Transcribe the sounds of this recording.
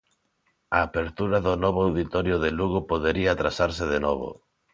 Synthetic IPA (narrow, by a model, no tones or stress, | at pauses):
aːpeɾt̪uɾaðʊnɔβoawðit̪ɔɾjʊðeluɣopoðeɾiat̪ɾasaɾsɪðenɔβʊ̰